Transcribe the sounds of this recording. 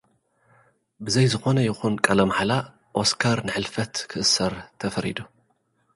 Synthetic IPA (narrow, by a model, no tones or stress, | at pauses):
bɨzɐjzɨxo̞nɐjɪxunkʼɐlɐmħala | ʔo̞skʰaɾnɨħɨlfɐt̪kʰɨʔɨsːɐɾt̪ʰɐfɐɾḭd̪u